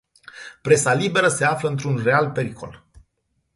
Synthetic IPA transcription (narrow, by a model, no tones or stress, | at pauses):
pɾe̞salibe̞ɾəse̞afləɨnt̪̬ɾunre̞alpe̞ɾikʰo̞̰l